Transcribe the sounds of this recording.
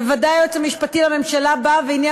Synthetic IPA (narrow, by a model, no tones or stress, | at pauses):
vadajot͡semiʃpatilame̞mʃalabaveinja